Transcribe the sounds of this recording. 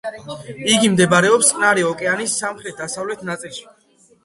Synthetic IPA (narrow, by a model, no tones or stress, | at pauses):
iɡimd̪ɛbaɾɛɔpst̪ʼnaɾiɔkʼɛanisːamχɾɛt̪̚d̪asavlɛt̪ʰnat̪sʼilˠʃi̥